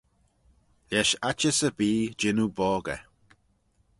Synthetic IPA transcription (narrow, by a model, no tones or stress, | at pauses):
lɛʃat͡ʃəsəbiːd͡ʒɪnubɔːɡə̰